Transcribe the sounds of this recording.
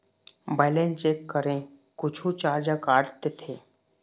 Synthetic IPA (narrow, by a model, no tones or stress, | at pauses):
bɛːlẽnt͡ʃeːkːəɾẽ | kʊt͡ʃʰũt͡ʃaːɾd͡ʒakaːɾt̪et̪ʰeː